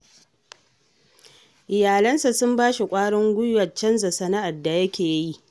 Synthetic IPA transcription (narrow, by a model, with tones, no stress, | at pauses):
ʔɪ˨jaː˨lɐ˦nsa˨sʊ˦mbaː˦ʃi˨kʷʼaː˦ɽɔ˦ŋɡʷʊ˦jwɐ˨t͡ʃɐ˦nza˨sɐ˦na˦ʔa˨rda˨jɐ˦kʲeː˨jji˦ʔ